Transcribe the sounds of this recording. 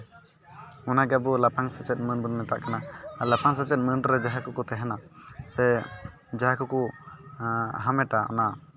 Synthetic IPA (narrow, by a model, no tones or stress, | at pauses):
ɔnaɡɛbɔlapaŋsət͡ʃɛt̪̚mənbunmɛt̪aʔkanalapaŋs̬ət͡ʃɛt̪̚mənɖɾɛd͡ʒaɦakukɔt̪ɛɦɛna | sɛ | d͡ʒaɦakɔku | ɦamɛʈaɔ̰na